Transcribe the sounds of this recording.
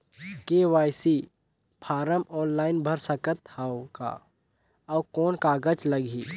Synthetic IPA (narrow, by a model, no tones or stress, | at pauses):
keːʋaːjsi | pʰaːɾəmɔːnlaːɪnbʱəɾsəkət̪haka̰ː | ɔːkɔːnkaːɡət͡ʃlɐɡʱiː